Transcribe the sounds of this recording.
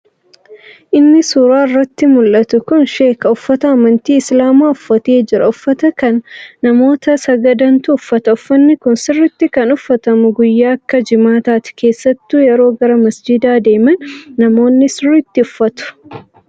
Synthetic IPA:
ʔɪnːɪsuːɾaːɪrːɐt̪ːɪmʊlʔɐt̪ʊkʊnʃeːkɐʊfːɐt̪ɐɐmɐnt̪iːɪslaːmaːʊfːɐt̪e̞ːd͡ʒɪɾɐʊfːɐt̪ɐkɐnːɐmo̞ːt̪ɐsɐɡɐd̪ɐnt̪ʊʊfːɐt̪ɐʊfːɐnːɪkʊnsɪrːɪt̪ːɪkɐnʊfːɐt̪ɐmʊɡʊjːaːɐkːɐd͡ʒɪmaːt̪aːt̪ɪ̥ke̞ːsːɐt̪ːuːjɛɾo̞ːɡɐɾɐmɐsd͡ʒɪd̪aːd̪e̞ːmɐnːɐmo̞ːnːɪsɪrːɪt̪ːɪʊfːɐt̪ʊ̥

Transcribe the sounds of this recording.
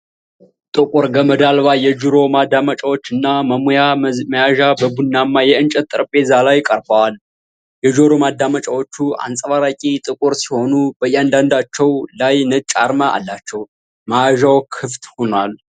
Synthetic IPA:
t̪ʼɨkʼʊɾɡəməd̪alβajɛd͡ʒuɾo̞mad̪amat͡ʃʼawo̞t͡ʃːɨnːaməmojaməjaʒabəbunːamːajɛɨnt͡ʃʼɛt̪ʼːɨɾpʼe̞zalajkʼəɾbəwal | jɛd͡ʒoɾo̞mad̪amat͡ʃʼawo̞t͡ʃːua̰nsʼəβaɾakʼit̪ʼɨkʼʊɾsi̥ho̞nub̥əjːand̪and̪at͡ʃːɛwlajnət͡ʃʼːa̰ɾmaʔa̰lːat͡ʃːɛw | majaʒawkʰɨft̪honal

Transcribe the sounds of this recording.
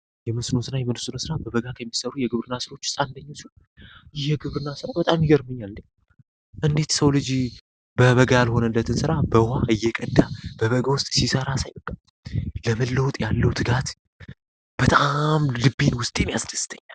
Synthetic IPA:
jɛmɨsno̞sɨnajɛmɨnsɨnosɨɾabəβəɡakʰəmːisəɾujɛɡɨβɾɨnːasɨɾo̞t͡ʃːsʼand̪əɲːosun | jɛɡɨβɾɨnːasɨɾabət̪ʼamjiɡəɾmɨɲːalnɨ | ʔɨnd̪e̞t̪səwlɨd͡ʒi | bəβəɡajalho̞nəlːət̪ʰɨnsɨɾabəhaʔɨjːɛkʼəd̪ːab̥əβəɡawʊst̪ʼsisəɾasajbəkʼːa | ləməlːəwt̪ʼjalːəwt̪ʰɨɡat̪ | b̥ət̪ʼamlɨbːenwʊst̪ʼe̞njasɨ̥dɨst̪ʰəɲːal

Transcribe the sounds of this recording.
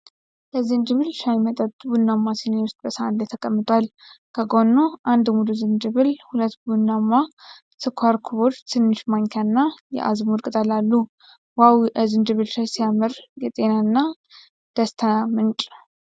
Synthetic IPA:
ləzɨnd͡ʒɨβɨlʃajmət̪ʼət̪ʼbunːamːasinewʊst̪ʼbəsəanlət̪ʰəkʼəmːɨt̪ʼwalkʰəɡo̞nːoʔand̪mud̪uzɨnd͡ʒɨβɨlhulət̪ːbunːamːa | sɨkʰʷaɾkʰuβo̞t͡ʃt̪ʰɨnːɨʃmaɲkʰanːajɛ̰ʔa̰zmud̪kʼt̪ʼalalːu | wawzɨnd͡ʒɨβɨlʃajsijamɨɾjɛt̪ʼe̞nanːa | d̪̥əst̪ʰamɨnt͡ʃʼ

